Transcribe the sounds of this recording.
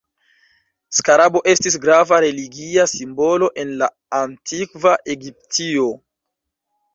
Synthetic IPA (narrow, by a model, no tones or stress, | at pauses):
skaɾabo̞ʔe̞stis̬ɡɾavaɾe̞liɡiasimbo̞lo̞ʔe̞nlaː | ntʰikvaʔe̞ɡip̚tʰio̞